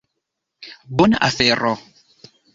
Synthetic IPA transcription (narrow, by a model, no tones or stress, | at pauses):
bɔna̰fɛɾɔ